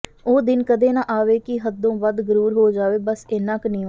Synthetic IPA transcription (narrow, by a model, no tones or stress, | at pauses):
oːd̪ɪnkəd̪eːnãːʔaːʋeːkɪɦəd̪õːbəd̪ɡəɾuːɾɦoːd͡ʒaːʋeːbəsenãːknĩː